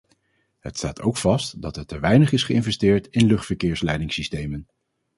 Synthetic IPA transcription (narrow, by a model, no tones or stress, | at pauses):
ɦətstaːtʰowkfɑstdɑtətəʋɛjnəχɪsχəɪnvɛstɪːɹtɪnlɵχtfəɹkɪːɹslɛjdɪŋsistejmən